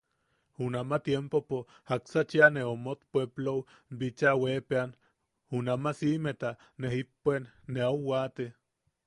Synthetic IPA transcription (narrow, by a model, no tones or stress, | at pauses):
hunamat̪jempopo | haksat͡ʃianeomot̪pʷeplow | bit͡ʃawepean | unamasimet̪a | neɦipːenːeawwat̪e